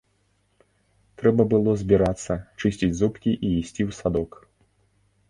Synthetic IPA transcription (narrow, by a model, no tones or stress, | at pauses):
t̪ɾɛbɐbɨlˠɔzʲbʲiɾat̪sːɐt͡ʂɨsʲt͡sʲid͡zʲzupkʲiʔiisʲt͡sʲiwsad̪ɔk